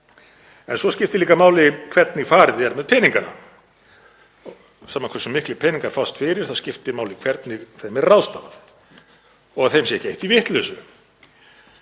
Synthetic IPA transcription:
ɛnsɔscɪft̪ɪliːkamaːwlɪkʰvɛɾt̪nɪɣfaːɾɪðɛɾmɛðpʰɛniŋkana̰ | saːmaŋkvɛsːʏmːɪhklɪpʰɛniŋkaɾ̥fawst̪fɪɾɪɾ̥θawscɪft̪ɪmaːwlɪkʰvɛɾt̪nɪɣθejmɛɾrawst̪amaθ | ɔɣθejmsjɛhceht̪ivɪht̪lʏsʏ

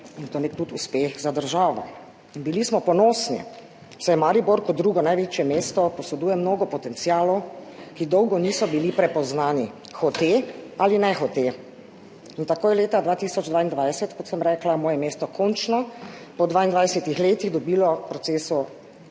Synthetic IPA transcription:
int̪oːnɛt̪ut̪uspeːxzad̪əɾʒaːʋɔ̰ | inbilismɔpɔnoːsnḭ | sɛjɛmaɾiboɾkɔt̪d̪ɾuːɡɔnajʋet͡ʃjɛmeːst̪ɔpɔsɛd̪uːjɛmnoːɡɔpɔt̪ɛnt̪siaːlɔwkid̪ɔwɡɔniːsɔbilipɾɛpɔznaːni | xɔt̪ealinɛxɔt̪e | int̪akoːjɛleːt̪ad̪ʋaːt̪iːsɔd͡ʒd̪ʋaːind̪ʋajsɛt̪kɔt̪sɛmɾɛːklamɔːjɛmeːst̪ɔkʰɔnt͡ʃnɔpɔd̪ʋaːind̪ʋajsɛt̪ixleːt̪iɣd̪ɔbiːlɔpɾɔtseːsu

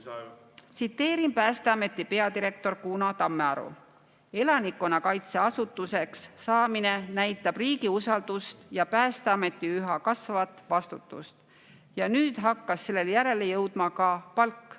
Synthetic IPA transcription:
t̪sit̪ːe̞ːɾinpæːst̪e̞ɑme̞t̪ːˑipe̞ɑd̪iɾe̞kt̪o̞rkuːnɑt̪ɑmːeɑ̰ɾṵ | e̞lɑnikːˑo̞nɑkɑjt̪se̞ɑsut̪ːˑuse̞ksːɑːmine̞næjt̪ːˑɑb̥riːɡiusɑld̪̥ust̪jɑpæːst̪e̞ɑme̞t̪ːˑiyɦɑkɑsvɑvɑt̪ːˑvɑst̪ut̪ːˑṵst̪ | jɑnyːd̪̥ɦɑkːɑsːe̞lːe̞ljæɾe̞le̞jɤwd̪̥mɑkɑpɑlkːˑ

